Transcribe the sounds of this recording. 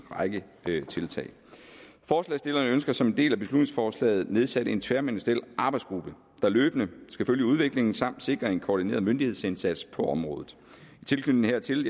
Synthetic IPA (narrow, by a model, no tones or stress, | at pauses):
ʁɑ̈ɪɡ̥ə | t͡sʰe̝lt͡sʰɛ̰ːɪ | fɒːslɛ̰ːɪsd̥e̝lɐnəønsɡ̥ɐsɒ̽mend̥e̝̰ːlæb̥eslud̥ne̝ŋsfɒːslɛ̰ːɪð̞̩ˠne̝ðˠsæɾ̥əe̝nt͡sʰʋæɐmenəsd̥elʔɑ̈b̥ɑ̈ɪdsɡ̥ʁub̥ə | d̥ɑ̈løːb̥ənəsɡ̥æføljəuð̞ˠʋe̝ɡ̥le̝ŋn̩sɑ̈m̰d̥se̝ɡ̥ʁɐe̝nkʰɒːd̥ine̝̰ːɐðˠmønd̥ihe̝ð̞̰ˠsensæd̥spʰɒ̽ɒ̽mʁɔ̽ːðˠð̩ˠ | it͡sʰe̝lkʰyn̰n̩eɐ̰t͡sʰe̝l